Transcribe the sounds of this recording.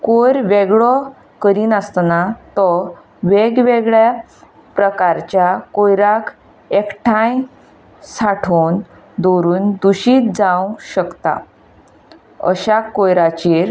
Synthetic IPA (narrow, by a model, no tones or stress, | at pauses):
koɾʋeɡɭɔ | kəɾiːnəst̪nat̪ɔ | ʋeɡʋeɡɭja | pɾəkaɾt͡ɕjakojɾak | ekʈʰãj | saʈʰon | d̪oɾuːnd̪uɕiːt̪̚d͡zãwɕəkt̪a̰ | ə̰ɕakojɾat͡ɕeɾ